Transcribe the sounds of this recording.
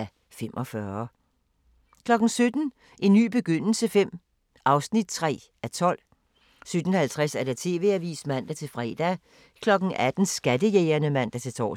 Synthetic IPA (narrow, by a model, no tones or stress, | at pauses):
æ | fem̰ʔɒ̽fɶɐ | kʰlɒ̽ɡ̥n̩sød̥n̩ | ʔe̝nːy̰ːb̥e̝ɡ̥øn̰l̩səfem̰ | ʔɑ̈ʊsnid̥̚t͡sʰʁɛ̰ː | æt͡sʰɒ̽l̰ | sød̥n̩hælt͡sʰʁɛsæɐd̥et͡sʰe̝̰ːʋe̝ːæʋḭːsmæn̰d̥æt͡sʰe̝lfʁɛːd̥æ | kʰlɒ̽ɡ̥n̩æd̥n̩sɡ̥æd̥əjeːɐnəmæn̰d̥æt͡sʰe̝t͡sʰɒ̰ː